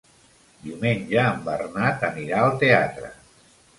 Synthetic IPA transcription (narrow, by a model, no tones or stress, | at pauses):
d̪iumeɲʲʒaːmbərnat̪əmiɾaəlˠt̪eat̪ɾə̰